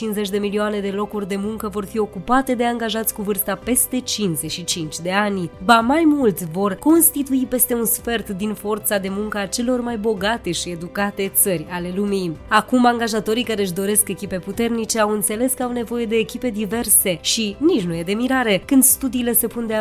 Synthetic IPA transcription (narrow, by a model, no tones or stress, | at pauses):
t͡ʃinze̞t͡ʃʲd̪e̞milioane̞d̪e̞lo̞kurʲd̪e̞muŋkəvo̞rfio̞kupat̪e̞d̪e̞aŋɡaʒat̪sʲkuvɨrst̪ape̞st̪e̞t͡ʃinzeʃit͡ʃint͡ʃʲd̪e̞anʲbamajmult̪sʲvo̞rko̞nst̪it̪uipe̞st̪e̞unsfe̞rt̪d̪info̞rt̪sad̪e̞muŋkəat͡ʃe̞lo̞rmajbo̞ɡat̪e̞ʃie̞d̪ukat̪e̞t̪sərʲale̞lumiakumaŋɡaʒat̪o̞ɾikaɾe̞ɨʃ̬d̪o̞ɾe̞ske̞kʲipe̞put̪e̞rnit͡ʃe̞awɨnt̪se̞le̞skəawne̞vo̞je̞d̪e̞ːkʲipe̞d̪ive̞rse̞ʃinit͡ʃnuje̞d̪e̞miɾaɾe̞kɨnd̪st̪ud̪iːle̞se̞pund̪e